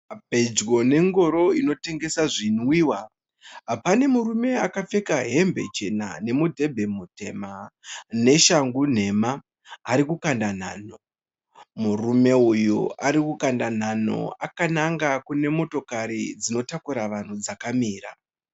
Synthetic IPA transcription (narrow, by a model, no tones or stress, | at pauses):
bʱe̞d͡ʒɡo̞ne̞ŋɡo̞ɾo̞ino̞te̞ŋɡe̞saʐinwiːwa | ɦapane̞muɾume̞akafe̞kaɦe̞mbe̞̰t͡ʃe̞na̰ne̞mudʱe̞bʱe̞mute̞mane̞ʃaŋɡun̤e̞maː | ɾikukandan̤aːno̞ | murume̞ujuʔaɾikukandan̤ano̞̰akanaŋɡakune̞mo̞to̞kaɾid͡zino̞takuɾaʋan̤ud͡zakamiːra̰